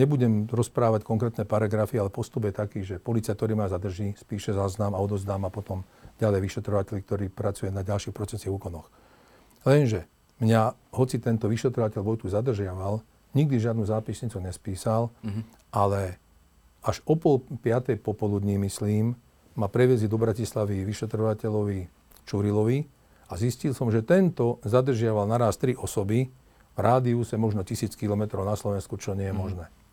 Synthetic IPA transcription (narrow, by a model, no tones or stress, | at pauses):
ɲɛbuɟɛmɾɔspɾaːʋackɔŋkɾɛːt̪nɛpaɾaɡɾafialɛpɔst̪ubjɛt̪akiːʒɛpɔlit͡siak̚t̪ɔɾiːmazad̪r̩ʒiːspiːʃɛzaːznamaɔd̪ɔzd̪aːmapɔt̪ɔm | ɟalɛjʋiʃɛt̪ɾɔʋacɛʎkt̪ɔɾiːpɾat͡sujɛnaɟalʃixpɾɔt͡sɛsiɦuːkɔnɔx | lɛnʒɛ | mɲaɦɔt͡sit̪ɛnt̪ɔʋiʃɛt̪ɾɔʋacɛʎʋɔjt̪uzad̪r̩ʒɪaʋal | ɲiɡ̚d̪iʒɪad̪nuːzaːpisɲit͡suɲɛspiːsal | ʔalɛ | aʒɔpɔlpɪat̪ɛjpɔpɔlud̪ɲimisliːmː | apɾɛʋiɛzid̪ɔbɾacislaʋiʋiʃɛt̪ɾɔʋacɛʎɔʋi | t͡ʃuɾilɔʋi | aziscilsɔmʒɛt̪ɛnt̪ɔzad̪r̩ʒɪaʋalnaɾaːst̪ɾiʔɔsɔbi | vɾʔaːd̪iusɛmɔʒnɔcisiːt͡skilɔmɛt̪ɾɔʊnaslɔʋɛnskut͡ʃɔɲɪɛjɛmɔʒnɛː